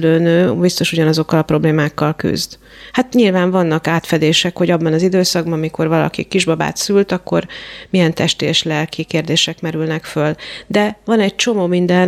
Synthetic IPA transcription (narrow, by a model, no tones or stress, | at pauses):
løːnøːbist̪o̞ʃuɟɒnɒzo̞kːɒlɒpro̞bleːmaːkːɒlky̰zd̪ | hat̪ɲilvaːɱvɒnːɒkaːt̪fɛd̪eːʃɛkho̞ɟɒbːɒnɒzid̪øːsɒɡ̚bɒnɒmikʰo̞rvɒlɒ̰kḭkiʒbɒba̰ːt̪sylt̪ɒkːo̞rmijɛnt̪ɛʃt̪ḛːʃlɛlkikeːrd̪eːʃɛkmɛɾylnɛkføld̪ɛvɒnɛɟ̚t͡ʃo̞moːmind̪ɛn